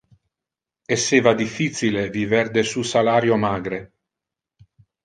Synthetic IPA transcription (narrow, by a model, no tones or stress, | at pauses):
esːeːvad̪ifːit̪sileviverd̪esusalaːɾjomaːɡɾe